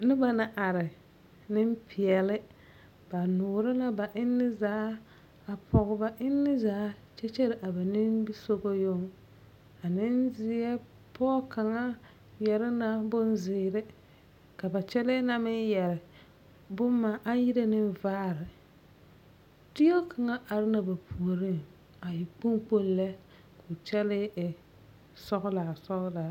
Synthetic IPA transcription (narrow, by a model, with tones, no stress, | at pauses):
nɪ˦ba˨na˨ʔa˨ɾɪ˨ | nɪ˦m˦pʰɪ˨ɛ˨lɪ˦ | ba˨nʊː˨ɾɪ˦la˦ba˨ʔɪ˦nːɪ˦zaː˨˦ | a˨pʰɔ˨ɣɪ˨ba˨ʔɪ˦nːɪ˦zaː˨˦t͡ʃɛ˦t͡ʃe˦ɾɪ˨ʔa˨ba˨ni˦nbi˦so˦ɣo˦jo˦ŋ | a˨nɪ˦nzɪ˨˦ɛ˦ | pʰɔ˦kʰa˨ŋa˦ | jɛ˨ɾɪ˦na˦˨bʊ˦nzɪː˨ɾɪ˦ | ka˨ba˨t͡ʃɛ˦lɪ˦na˦mɪ˦njɛ˨ɾɪ˨ | bʊ˦mːa˨ʔa˦ji˦ɾe˦nɪ˦n˦vaː˦ɾɪ˨ | d̥ɪ˦o˦kʰa˨ŋa˦ʔa˨ɾɪ˦na˨ba˨pʰu˨o˨ɾi˦˨ŋ | a˨jɪ˨k͡pu˦ŋk͡po˦llɛ˦ | kʊ˨t͡ʃɛ˦lɪ˦ʔɪ˨ | sɔ˦ɣʊ˦la˨sɔ˦ɣla˨